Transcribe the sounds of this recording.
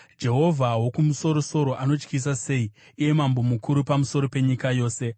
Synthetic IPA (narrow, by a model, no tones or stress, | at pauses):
d͡ʒe̞ɦo̞vʱaɦwo̞kumuso̞ɾo̞so̞ɾo̞ʔano̞t͡ʃkisase̞i | ije̞mambo̞mukʰuɾupamuso̞ɾo̞pe̞ɲikajo̞ːse̞